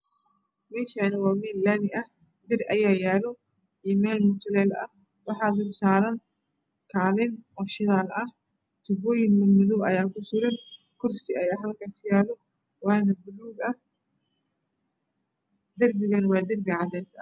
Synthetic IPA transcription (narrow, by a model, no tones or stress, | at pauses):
mɛːʃaːnɐwaːmɛːllanɪʔɐh | bɪrʔɐjaːjaːlɔ | iːmɛːlmʊt̪ʰʊlɛːlɐ̰ | wɑħɑːd̪ʊlsaːɾɐn | kʰaːlɪnʔɔːʃɪðaːlɐh | t̪ʰʊbɔːjɪnɐmʊðɔwɐ̰jaːkʰʊsʊɾɐn | kʰʊrsɪɐjɐɦɐlkʰaːsjaːlɔ | wɑːnɐbʊluːɡɐh | d̪ɐrbɪɣɐnwɑːd̪ɐrbɪʕɑd̪ɛːsɐ̰